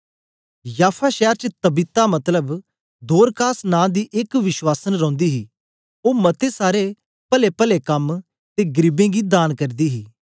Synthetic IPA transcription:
jaːpʰaːʃɛːɾt͡ʃət̪əbɪt̪ːamɐt̪ləb | d̪oːɾkaːsnãːd̪iːʔɪkʋɪʃwaːsənɾɔ̃ːnd̪iːɦiː | oːmɐt̪eːsaːɾe | pəlepəlekɐm | t̪eːɡəɾɪbẽːɡiːd̪aːnkəɾd̪iːɦiː

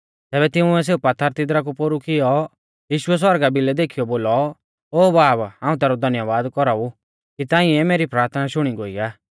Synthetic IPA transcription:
t̪ɛːbɛt̪ɪũɛs̬eːupɐt̪ʰːaɾt̪ɪd̪ɾak̬upoːɾukʰɪjɔ | jiːʃʊɛs̬wɔɾɡabɪlɛd̪eːkʰijɔboːlɔ | oːbaːbãːũt̪ɛːɾɔd̪ʱɐnjəʋaːd̪kɔɾau | kit̪ãːĩɛmeːɾipɾaːɾt̪ʰənaʃʊɽ̃iɡoːiaː

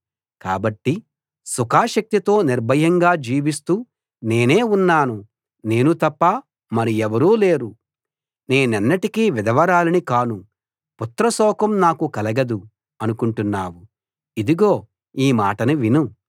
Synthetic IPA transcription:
kaːbɐʈːi | sukʰaːʃɐk̚t̪it̪o̞ːniɾbʱɐjɐŋɡaːd͡ʒiːʋist̪uː | ne̞ːne̞ːunːaːnu | ne̞ːnut̪ɐpːɐ | mɐɾiɛʋɐɾuːle̞ːɾu | ne̞ːnɐnːɐʈikiʋid̪ɐʋɐɾaːlɐnikaːnu | put̪ɾɐsɔːkɐmnaːkukɐlɐɡɐd̪u | ɐnukuɳʈunːaːwu | id̪iɡo̞ː | iːmaːʈɐnuʋinu

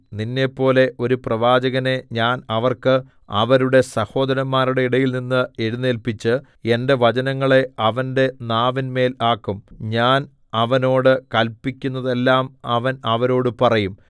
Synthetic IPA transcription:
ninːe̞pːo̞ːle̞ʔo̞ɾuprɐʋaːd͡ʑɐɣɐne̞ɲaːnɐʋɐrkɨ | ɐ̰ʋɐɾuɽe̞sɐho̞ːd̪ɐɾɐmːaːɾuɽeiɽɐjilninːɨe̞ɻunːelpit͡ɕːɨ | e̞nde̞ʋɐd͡ʑɐnɐŋːɐɭe̞ɐʋɐnde̞naːʋinme̞ːlaːkːumɲaːn | ɐʋɐno̞ːɽɨkɐlpːikʲːunːɐðe̞lːaːmɐʋɐnɐʋɐɾo̞ːɽɨpɐrɐjum

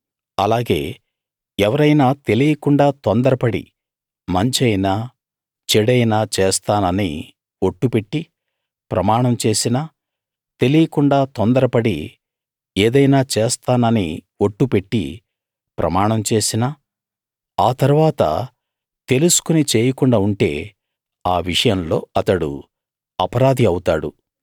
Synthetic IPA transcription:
ɐlaːɡe̞̰ː | ɛʋɐɾɐjnaːt̪e̞lijɐkuɳɖaːt̪ond̪ɐɾɐpɐɽḭ | mɐɲt͡ʃɐjnaː | t͡ʃeɽɐjnaːt͡ʃɛːst̪aːnɐnḭ | oʈːupe̞ʈːi | pɾɐmaːɳɐmt͡ʃe̞ːsinaː | t̪e̞lijɐkuɳɖaːt̪ond̪ɐɾɐpɐɽḭ | eːd̪ɐjnaːt͡ʃɛːst̪aːnɐnḭ | oʈːupe̞ʈːḭ | pɾɐ̰maːɳɐmt͡ʃe̞ːsinaː | aːt̪ɐɾuʋaːt̪ɐ̰ | t̪e̞lusu̥kunit͡ʃeːjɐkuɳɖaːuɳʈe̞ː | aːʋiʂɐjɐmlo̞ːɐt̪ɐɽṵ | ɐpɐɾaːd̪ʱiɐwut̪aːɽṵ

